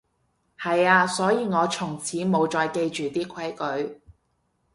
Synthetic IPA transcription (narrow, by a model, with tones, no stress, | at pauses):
hɐ˨jaː˧sɔː˨˥jiː˧ŋɔː˨˧t͡sʰʊ˨˩ŋt͡sʰiː˨˥mo˨˧wt͡ʃɔː˧jke˧jt͡ʃyː˨t̪iː˥kʷʰɐ˨˥jkɵ˨˥ɥ